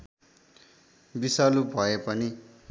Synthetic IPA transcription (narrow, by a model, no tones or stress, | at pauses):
bisalubʱʌepʌni